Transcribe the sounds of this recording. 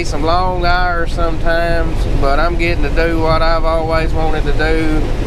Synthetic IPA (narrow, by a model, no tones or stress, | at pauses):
sʌ̃mlɔ̃ŋaʊə˞sʌ̃mtʰãɪ̃mz̥b̥ʌɾãɪ̃mɡɛɾɪ̃ŋtʰɨdɨwʌɾaɪvɔlˠwizwɑ̃ñɨd̚tɨdʉ